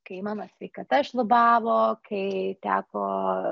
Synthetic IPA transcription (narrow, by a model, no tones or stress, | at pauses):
kɐɪmɑːnɐsʲʋʲɛɪkɐt̪ɐʃlˠʊbɑːʋoːkʰɐɪt̪ʲæːkoː